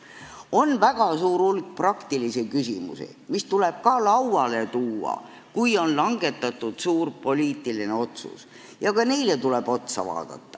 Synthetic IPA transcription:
o̞nvæɡ̥ɑsuːɾulɡ̥̚prɑkt̪ilisekysimṵsḭmist̪ule̞b̥̚kɑlɑwɑle̞t̪uːɑ̰ | kujo̞nlɑŋɡ̥e̞t̪ːˑɑt̪ːˑud̪̥suːrpo̞liːt̪ːˑiline̞o̞t̪sṵs | jɑkɑne̞jlet̪ule̞b̥o̞t̪sɑ̰vɑ̰ːd̪̥ɑ̰t̪ːɑ̥

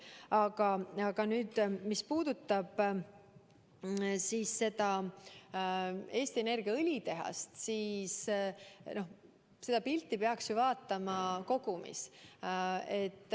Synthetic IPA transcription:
ɑɡ̥ɑɑɡ̥ɑnyːd̪̥mispuːd̪̥ut̪ːˑɑb̥ | siːsːe̞d̪ɑ | e̞ːst̪ie̞ne̞rɡ̥iɑɯlʲit̪e̞ɦɑ̰st̪siːs | no̞ | se̞d̪̥ɑpilt̪ːˑipeɑksjuvɑːt̪ːˑɑmɑko̞ɡ̥umḭs | e̞t̪ːˑ

